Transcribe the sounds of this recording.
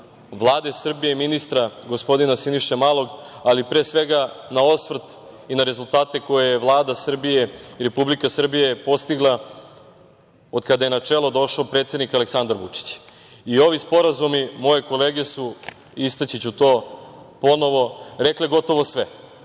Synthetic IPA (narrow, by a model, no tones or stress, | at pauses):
ʋlˠaːd̪esr̩bijeminist̪ɾaɡo̞spo̞d̪inasiniʃemalˠo̞ɡ | alipɾeːsʋeɡanao̞sʋrt̪inaɾe̞zulˠt̪aːt̪e̞ko̞jejeʋlˠaːd̪asr̩bije̞iɾe̞publikasr̩bijepo̞st̪iɡlˠa | od̪kad̪aje̞nat͡ʂelˠo̞d̪o̞ʃaːpɾet̪sʲed̪nikaleksand̪aɾʋut͡ʂi̥t͡ɕ | io̞ʋispo̞ɾazumimo̞je̞ko̞leːɡe̞su | ist̪at͡ɕit͡ɕut̪o̞ː | po̞no̞ʋo̞ɾekleɡo̞t̪o̞ʋo̞sʋe